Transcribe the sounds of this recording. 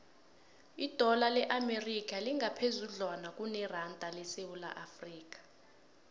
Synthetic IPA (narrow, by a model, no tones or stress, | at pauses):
id̥ʱɔlalɛʔamerik̬ʼaliŋɡapʰezuɮanak̬ʼunɛrandʱʼalɛsewula̰ʔafriːk̬ḁ